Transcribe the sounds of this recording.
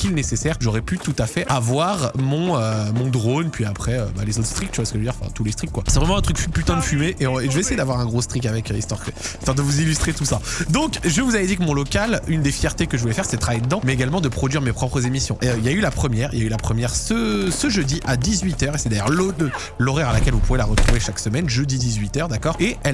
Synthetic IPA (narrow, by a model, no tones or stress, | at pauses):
kʲilɛnesesɛʁʒɔʁɛpyt̪ut̪afɛʔavwaʁmɔ̃ømɔ̃d̪ʁonpɥiapχɛøba̰lezot̪χst̪χik̚t̪yvwasə̥kəʒəd̪iʁɑ̃fɛ̰̃t̪ulest̪χikːwasɛvʁɛmɑ̃ɛ̃t̪χykfypyt̪ɛ̃d̪əfymeʔeɔ̃eʒəvɛeːsejed̪avwaʁɛ̃ɡʁost̪χik̬avɛkəḭst̪wa̰ʁkəist̪waʁd̪əvuzilyst̪χet̪usad̪ɔ̃kʒəvuzavɛd̪ikəmɔ̃lɔkalynd̪efjɛʁt̪ekəʒəvulɛfɛʁsɛət̪χajed̪əd̪ɑ̃mɛeɡalmɑ̃d̪əpχɔd̪ɥiʁmepχɔpχəzemisjɔ̰̃ʔeøiljaylapχəmjɛʁiljaylapχəmjɛʁsəsəʒəd̪iʔad̪izɥit̪œʁesɛd̪ajœʁllə | lɔʁɛʁalakʲɛlvupuvelaʁət̪χuveʃaksəmɛnʒəd̪id̪izɥit̪œʁd̪akɔʁeɛ